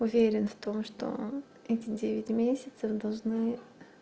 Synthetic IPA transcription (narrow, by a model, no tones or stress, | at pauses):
ʊvʲeɾʲɪnft̪o̞mʂt̪o̰ | ɛtʲɪdʲevʲɪtʲmʲesʲɪt̪səfd̪ɐlˠʐnɨ